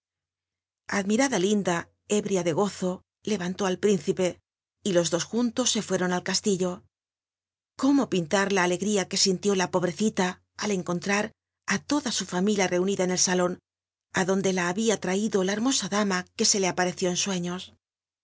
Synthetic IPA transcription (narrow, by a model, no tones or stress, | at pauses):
a̰ðmiɾaðalind̪a | e̞βɾjaðe̞ɣ̞o̞θo̞ | le̞β̞ant̪o̞alpɾinθipe̞ | ilo̞zðo̞sxunt̪o̞sːe̞fwe̞ɾo̞nalkast̪iʎo̞ | ko̞mo̞pint̪aɾlaːle̞ɣɾiake̞sint̪jo̞lapo̞βɾe̞θit̪aː | le̞ŋko̞nt̪ɾaɾ | at̪o̞ðasufamiljare̞uniðaene̞lsalo̞n | aðo̞nd̪e̞laːβiat̪ɾaiðo̞lae̞ɾmo̞saðamake̞se̞le̞apaɾe̞θjo̞enswe̞ɲo̞s